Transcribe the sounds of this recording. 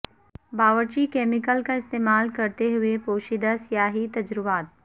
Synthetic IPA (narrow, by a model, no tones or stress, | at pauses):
baːʋəɾt͡ʃikeːmɪkəlkaɪst̪eːmaːlkɐɾt̪eɦʊepoːʃɪd̪asjaːɦit̪ɐd͡ʒɾʊʋaːt̪̚